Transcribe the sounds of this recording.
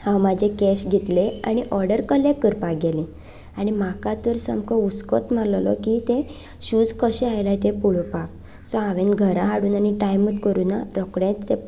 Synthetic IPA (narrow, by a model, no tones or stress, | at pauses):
hãwmad͡ʑʱekɛɕɡʱet̪lea̰ñiʔɔɾɖəɾkəlekəɾpaɡele | aɽ̃imakat̪əɾsəmkʰɔuskɔt̪m̤aɾllɔ̰kit̪ẽ | ɕuːd͡zkəɕɛajlajt̪epuɭpa | sɔaʋẽnɡʱəɾaɦaɽuːnañiʈajmət̪kəɾuːnaɾɔkɽẽt͡st̪e